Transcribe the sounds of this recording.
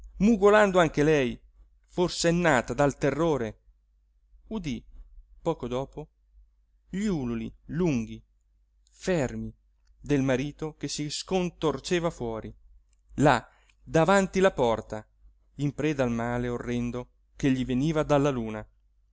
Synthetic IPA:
muɡoland̪oaŋk̟elɛj | forseɛnːaːt̪ad̪alt̪erːoːɾe | ud̪ipɔːkod̪ɔːpo | ʎuːlulḭluŋɡi | fɛrmi | d̪elmaɾiːt̪okesiskont̪ort͡ʃeːvafwɔːɾi | la | d̪avant̪ilapɔrt̪a | impɾɛːd̪almaːleorːɛnd̪o | keʎːiveniːvad̪alːaluːna

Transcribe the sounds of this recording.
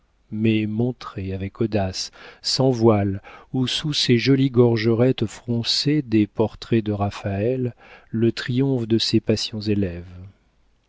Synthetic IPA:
mɛmɔ̃t̪χeavɛkʰɔd̪asːɑ̃vwalususeʒɔliɡɔʁʒəʁɛt̪fχɔ̃sed̪epɔʁt̪χɛd̪əʁafaɛlːət̪χijɔ̃fd̪əsepasjɔ̃zelɛv

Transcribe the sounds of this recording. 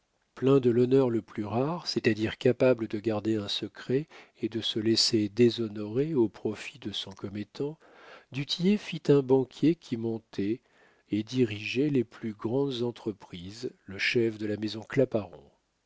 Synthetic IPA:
plɛ̃d̪əlɔnœʁləplyʁaʁsɛt̪ad̪iʁkapabləd̪əɡaʁd̪eɛ̃səkχɛ | ed̪əsəlɛsed̪ezɔnɔʁeopχɔfid̪əsɔ̃kɔmet̪ɑ̃ | d̪yt̪ʰijefit̪ɛ̃bɑ̃kʲʰjekʲʰimɔ̃t̪ʰɛ | ed̪iʁiʒɛleplyɡʁɑ̃d̪zɑ̃t̪χəpχizləʃɛfd̪əlamezɔ̃klapaʁɔ̰̃

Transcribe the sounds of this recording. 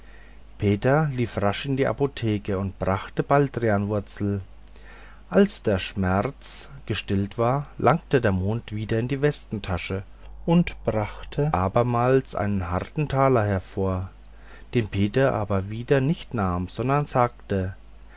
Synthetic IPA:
pʰeːtɐliːfʁaʃɪndiːʔa̰potʰeːkəʊntb̥ʁaχtəb̥aldʁianvʊɐt͡sl̩ | ʔalsd̥eːɐʃmɛʁt͡sɡ̥əʃtɪltv̥aːɐlʔaŋk̚tədeːɐmoːntv̥iːdɐɪndiːvɛstn̩tʰaʃə | ʔʊntb̥ʁaχtʰəʔaːbɐmaːlsʔa̰ɪnənɦaʁtn̩tʰaːlɐhɛɐfoːɐ | d̥eːmpʰeːtɐʔa̰ːbɐviːdɐnɪçtnaːmz̥ɔndɐnzaːk̚tə

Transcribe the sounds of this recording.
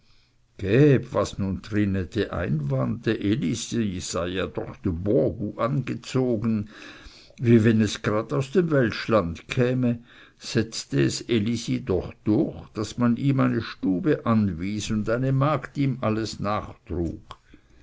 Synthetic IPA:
ɡ̥ɛːbvasnuːntʁ̥ɪnədeʔa̰ɪnvantəʔelisijz̥aɪjaːd̥ɔ̰χd̥ubɔɐɡuʔanɡət͡soːɡən̩ | viːvɛnɛsɡ̥ʁaːdaʊsd̥eːmvɛltʃlantkʰɛːmə | z̥ɛt͡stəɛselisidɔχd̥ʊɐçd̥asmaniːmaɪnəʃtuːbəʔanviːsʊndaɪnəmaːktiːmʔaləsnaːχtʁ̥ṵːk

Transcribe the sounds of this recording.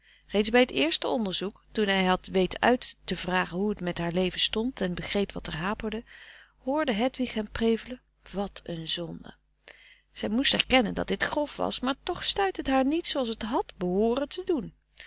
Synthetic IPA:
rejtzbɛjɦətɪːɹstəɔndəɹzuktunɦɛjɦɑtʋejtəʔœ̰ɥtːəvraːχənɦuətmɛtɦaːɹlejvənstɔntɛnbəχrejpʋɑtɛɹɦaːpəɹdə | hʊːɹdəɦɛtʋɪχɦɛmprejvələ | ʋɑtənzɔndə̰ | z̥ɛjmustɛ̰ɹkɛnəndɑ̰t̚dɪtχrɔfʋɑ̰smaːɹtɔχstœɥtɦətɦaːɹnitsowɑlˠsətɦɑtbəɦʊːrəntədun

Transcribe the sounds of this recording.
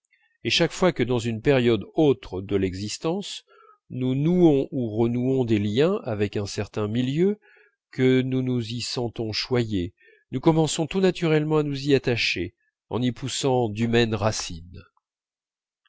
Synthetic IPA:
eʃakfwakəd̪ɑ̃zynpɛʁjɔd̪ot̪χəd̪əlɛɡzist̪ɑ̃s | nunuɔ̃ʔuʁənuɔ̃d̪eljɛ̃avɛkɛ̃sɛʁt̪ɛ̃miljø | kənunuzisɑ̃t̪ɔ̃ʃwaje | nukɔmɑ̃sɔ̃t̪unat̪yʁɛlmɑ̃anuziat̪aʃe | ɑ̰̃nipʰusɑ̃d̪ymɛnʁasin

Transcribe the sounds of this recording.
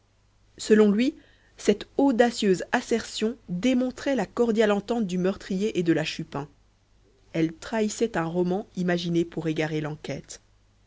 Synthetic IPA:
səlɔ̃lɥi | sɛt̪od̪asjøzasɛʁsjɔ̃d̪emɔ̃t̪χɛlakɔʁd̪jalɑ̃t̪ɑ̃t̪̚d̪ymœʁt̪χijeʔed̪əlaʃypɛ̃ | ɛlt̪χaisɛt̪ɛ̃ʁɔmɑ̃imaʒinepuʁeɡaʁelɑ̃kʲɛt̪

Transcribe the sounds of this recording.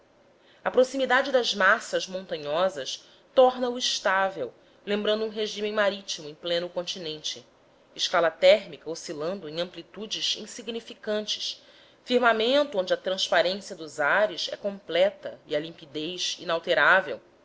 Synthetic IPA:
ɐpɾosimid̪ad͡ʒɪd̪ɐzmasɐzmõnt̪ɐ̃ɲɔzɐʃ | t̪ɔɾnɐuiʃt̪avew | lẽmbɾɐ̃nd̪ʊũɦeʒĩmẽmaɾit͡ʃimʊẽj̃plẽnʊkõnt͡ʃinẽnt͡ʃɪ | ɪʃkalɐt̪ɛɦmikɐosilɐ̃nd̪ʊẽj̃ɐ̃mplit̪ud͡ʒɪzḭ̃siɡnifikɐ̃nt͡ʃɪ̥ʃ | fiɾmamẽnt̪ʊõd͡ʒɪɐt̪ɾɐ̃spaɾẽsiɐd̪ʊzaɾɪsɛ̰kõmplɛt̪ɐ̰iɐlĩmpid̪ejzḭnawt̪eɾavḛw

